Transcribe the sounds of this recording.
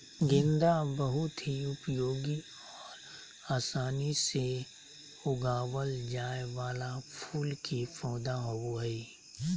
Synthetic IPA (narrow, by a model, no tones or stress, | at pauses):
ɡɪ̃nd̪abəɦʊt̪ɦiʊpjoːɡi | ɔːɾ | aːsaːnise | ʊɡaːwəld͡ʒaːewaːlapʰuːlkifɔːd̪aɦooɦɛi